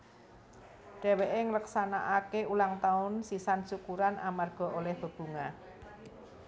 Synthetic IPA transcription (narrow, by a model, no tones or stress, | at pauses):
ɖ̥ɛ̤weʔeŋləksana̰ʔakeulaŋt̪aʊnsisansukuɾanʔamarɡ̥ɔ̤ʔolɛhb̥ə̤b̥ṳŋa